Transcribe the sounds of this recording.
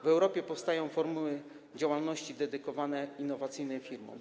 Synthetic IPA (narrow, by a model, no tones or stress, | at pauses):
vɛwɾɔpʲjɛpɔfst̪ajɔ̃w̃fɔɾmuwɘ | d͡ʑawalnɔɕt͡ɕid̪ɛd̪ɘkɔvanɛinːɔvat̪sɘjnɛfʲiɾmɔ̰̃m